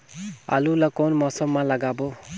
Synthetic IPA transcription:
a̰ːluləkoːnmɔːsəmːãːləɡaːboː

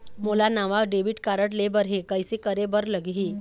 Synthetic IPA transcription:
mulanaʋaʋɖeʋiʈkaɾəʈlebəɾɦekəjsekəɾebəɾləɡʱɦiː

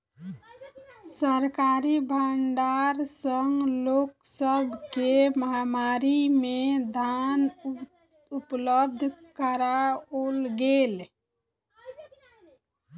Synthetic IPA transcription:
səɾkaɾibʱəɳɖaɾsəŋɡloksəbʱkeməɦamaɾimed̪ʱan | upləb̚d̪ʱkəɾaolɡel

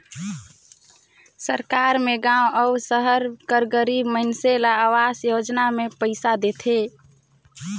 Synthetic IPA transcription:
səɾkaɾmeɡãwəusəɦəɾkəɾɡəɾibməɦnselaːʋasjod͡ʒnamepəɪsad̪et̪ʰe

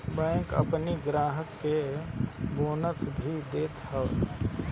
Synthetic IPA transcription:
bɛ̃ːkə̰pniɡɾaːɦəkːe | boːnəsbʱid̪eːt̪ʰaʋ

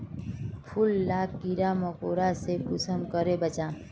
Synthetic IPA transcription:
pʰulːakkːiɾamɔkoɾasepusʰəmkʌɾebət͡ʃã

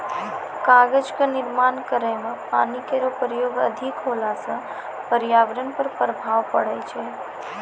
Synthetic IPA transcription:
kaɡəd͡ʒkenɪɾmankəɾəjmẽpa̰nikeɾopɾəjoɡə̰d̪ʱikɦolasə̃ | pəɾijaʋɾənpəɾpɾəbʱaʋpəɽɛt͡ʃʰe

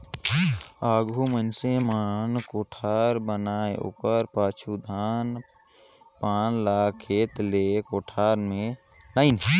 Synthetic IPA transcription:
aːɡʱumənsemaːnkoːʈʰaːɾbənaːeṵːpəɾpaːt͡ʃʰud̪ʱaːn | paːnlaːkʰːeːt̪lekoːʈʰaːɾmẽ | laːɪnɦ

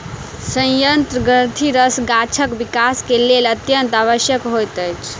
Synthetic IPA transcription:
sə̃jjənt̪ɾəɡəɾt̪ʰiɾəsɡat͡ʃʰəkbikaskelelət̪jənt̪aβəsjəkɦojt̪əjt͡ʃʰ

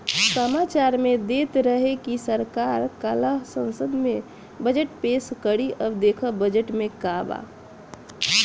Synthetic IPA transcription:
səmat͡ʃaɾmed̪et̪ɾəɦekisəɾkaɾkələɦsə̃nsəd̪mẽ | bəd͡ʒəʈpeskəɽiʔəbd̪ekʰəbəd͡ʒəʈmekaba̰

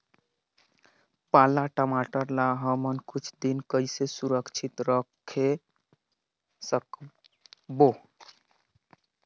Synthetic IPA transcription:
palaʈəmaʈəɾlaɦəmənkut͡ʃʰd̪inkəjsesuɾəkt͡ʃʰit̪ɾəkʰːe | sək | bo

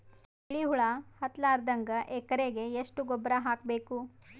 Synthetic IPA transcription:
iɭiɦuɭɐhɐt̪laːɾd̪ɐŋɡɐʔeːkɐɾeɡe̞eʂʈuɡɔbɾaɦaːkbeːku

